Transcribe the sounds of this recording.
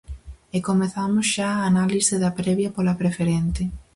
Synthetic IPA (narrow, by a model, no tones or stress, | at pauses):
ekomeθamʊsʃaaːnaliseðɐpɾɛβjɐpolɐpɾefeɾent̪ɪ